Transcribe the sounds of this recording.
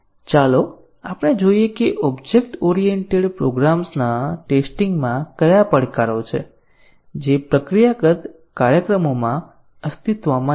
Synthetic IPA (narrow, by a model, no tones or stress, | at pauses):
t͡ʃalo | apəɽ̃ed͡ʒoiekeʔɔbd͡ʒekʈɔɾijeɳʈeɽpɾoɡɾamsnaʈesʈiŋɡmãkəjapəɽkaɾot͡ʃʰḛ | d͡ʒepɾəkɾijakət̪ | kaɾjəkɾəmomã | əst̪it̪ʋamã